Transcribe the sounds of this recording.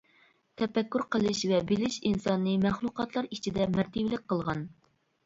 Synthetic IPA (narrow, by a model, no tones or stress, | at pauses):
t̪ʰɛfɛkʲːyɾqəlˠɨʃvɛbilɪʃinsɑnːɨmæχlˠuqɑt̪lˠɑɾit͡ʃʰid̪ɛmæɾt̪ʰɪblɪk̚ʲqʰəlˠʁɑn